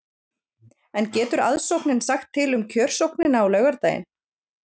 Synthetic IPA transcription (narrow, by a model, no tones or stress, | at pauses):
ɛncɛːt̪ʏɾa̰ðsowknɪnsaxt̪ʰːɪlʏmcʰœːr̥sowknɪnawlœɥɣaɾt̪aːjɪ̰n